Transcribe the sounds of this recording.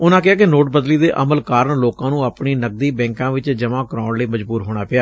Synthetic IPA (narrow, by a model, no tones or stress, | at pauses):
ʊnãːk̬ɪaːkɪnoːʈ̚bəd̪liːd̪eːʔəməlkaːɾəɳloːkãːnũːaːpɳiːnəɡ̚d̪iːbɛ̃ːŋkãːʋɪt͡ʃd͡ʒəmãːkəɾãːʊɳleːməd͡ʒbuːɾɦoːɽ̃aːpɪjaː